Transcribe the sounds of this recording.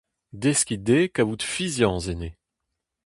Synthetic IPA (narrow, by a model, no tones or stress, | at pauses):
d̪eskʲid̪ekavut̪fizjɑ̃zene